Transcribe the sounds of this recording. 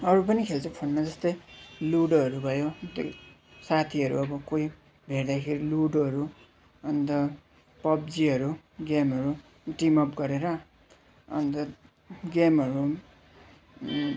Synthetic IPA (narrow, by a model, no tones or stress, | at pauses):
ʌɾupʌnikʰelt͡sʰʌpʰʌnnʌd͡zʌst̪ʌjluɽʌɾubʱʌjot̪ | sat̪ʰiʌɾṵʌbʌkoi | bʱeɽd̪akʰeɾiluɽʌɾu | ʌnt̪ʌ | pʌb̚d͡ziʌɾuɡemɦʌɾu | ʈimʌpɡʌɾeɾʌ | ʌ̰nt̪ʌ | ɡemʌɾu